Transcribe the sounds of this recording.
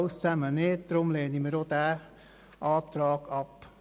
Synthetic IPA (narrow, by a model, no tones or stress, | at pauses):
wst͡sæməneːt̚d̥romleːnimədodæː | ʔɑːt̪rɑːɡɑp